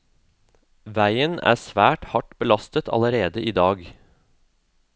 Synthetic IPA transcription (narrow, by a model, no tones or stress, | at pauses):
ʋæɪənæ̰ːsʋæːʈhɑʈbəlɑst̪ət̪ʰɑ̰ləɾeːd̪əʔiːd̪ɑːɡ